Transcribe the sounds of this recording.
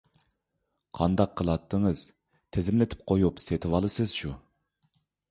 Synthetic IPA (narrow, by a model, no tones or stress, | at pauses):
qʰɑnd̪ɑqʰːəlˠɑt̪ʰːəŋəz̥ | t̪ʰɪzɪmlɪt̪ʰɪ̥p̚qʰojupset̪ʰɨwɑlˠɨsɨz̥ʃu